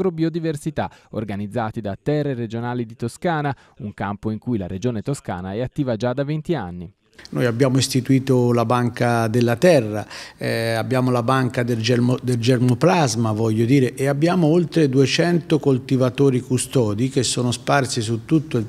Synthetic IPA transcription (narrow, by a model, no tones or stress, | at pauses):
ɾobiod̪iversit̪ao̰rɡanid̪zːaːt̪id̪at̪ɛrːeɾed͡ʒonaːlid̪it̪oskaːna | uŋkampoiŋkujla̰ɾed͡ʒoːnet̪oska̰ːnaɛat̪ːiːvad͡ʒad̪avent̪ia̰nːi | nojabːjaːmoist̪it̪uiːt̪olabaŋkad̪elːat̪ɛrːa | abːjaːmolabaŋkad̪d͡ʒd̪eld͡ʒeɾmoplazmavɔʎːod̪iːɾeʔeabːjaːmoolt̪ɾed̪uet͡ʃɛnt̪okolt̪ivat̪oːɾikust̪ɔːd̪ikesːoːnosparsisut̪ːut̪ːo